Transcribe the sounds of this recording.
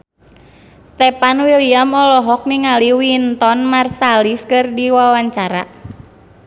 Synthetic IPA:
st̪ɛpanwiliamɔlɔɦɔk̚niŋaliwint̪ɔnmarsaliskɨrdiwawaɲt͡ʃaɾa̰

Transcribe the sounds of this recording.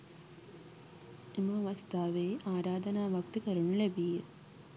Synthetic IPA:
imɐʋɐst̪aːʋeːʔaːɾaːd̪ɐnaːʋɐk̚t̪ikɐɾuɳulebije

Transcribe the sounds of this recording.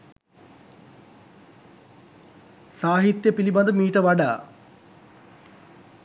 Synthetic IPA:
saːɦit̪jəpiliband̪əmiːʈəʋaɖa̰ː

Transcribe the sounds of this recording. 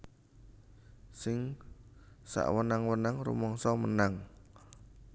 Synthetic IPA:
sɪŋ | sa̰ʔwənaŋwənaŋrṵmɔŋsɔmənaŋ

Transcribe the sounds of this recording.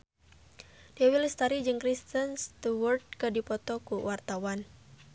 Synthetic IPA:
diawilist̪aɾid͡ʒɨŋkɾist̪ənst̪uwərt̪̚kɨdipɔt̪ɔkuwart̪awan

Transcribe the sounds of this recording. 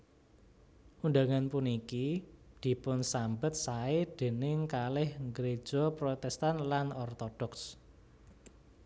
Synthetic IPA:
ʔund̪aŋanpunikid̪̥i̤pʊnsambət̪̚saed̪̥e̤nɪŋkalɪhŋɡɾe̥ʒ̥ɔpɾot̪ɛst̪anlanɔrt̪ɔɖ̥ɔks

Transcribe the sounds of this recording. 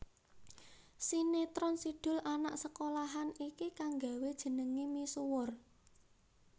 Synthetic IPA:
sinet̪ɾɔnsiɖ̥ʊ̤lanaʔsəkolaɦanikikaŋɡa̤wed̥ʒ̥ə̤nəŋimisuwʊr

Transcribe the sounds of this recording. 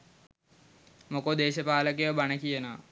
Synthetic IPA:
mokod̪eːɕəpaːlək̬eʋəbanəkijənoʋ

